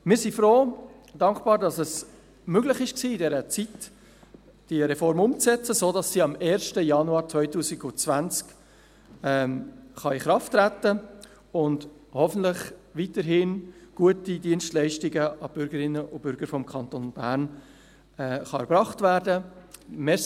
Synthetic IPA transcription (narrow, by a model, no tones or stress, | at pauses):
mɪːɾsifɾoː | d̥ɑŋkb̥ɑːɾdɑsɛs | møɡlɪχɪʃksiːɪdɛɾət͡sit | d̥iɾɛfɔɾmʊmt͡sɛt͡səsoːdɑsːiːɑmɛːɾʃtəjɑnuɑːɾt͡svœʏtuːziɡʊt͡svænt͡sk | ɛχɑɪχɾɑftːɾætə | ʊnd | hɔfən̩tlɪχʋitəɾɦɪnɡ̥uətidiənstlæɪʃtɪɡəʔɑb̥ʏɾɡəɾɪnːəʔʊb̥ʏɾɡəɾfɔmkʰɑntonb̥æːɾn | ɛːχɑɛɾb̥ɾɑχtvæːɾdəmɛ